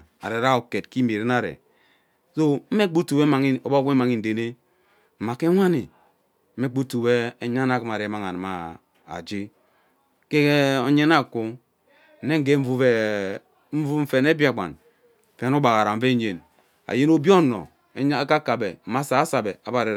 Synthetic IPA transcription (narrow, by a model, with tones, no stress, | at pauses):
a̰˨ɾe˨ɾa˦o˨ke˨tki˦me˨ɾe˦na˦˨ɾḛ˨ | so˦m̩˦me˦k͡pu˦tu˨we˦ma˨ŋi˦o˨ba˦e˦ma˨ŋi˦n̩˨de˨ne˦ | m̩˨ma˨ke˦ŋʷa˦ni˨ | m̩˦e˦k͡pu˦tu˨we˦e˦ɲa˦na˨ki˦ma˨ɾe˨˦ma˦˨ŋa˨na˨ma˨ | a̰˨d͡ʒi˦ | ke˦e˦o˦ɲe˦na˦˨ku˦ | n̩˨ne˦ŋ̩˦ɡe˦ɱ̩˦vu˦e˦ | m̩˦vu˦m̩˦fe˨ne˦bi˦a˨ɡ͡ba̰˨n̩˨ | fe˨˦no˦ba˨ɣa˨ɾa˨m̩˦ve˦ɲe˨n | a̰˨je˦no˦bjo˦˨no̰˨ | e˦ka˦ka˨be˨m̩˦ma˦saː˨˦sa˨be˨a˨ba˨ɾe˨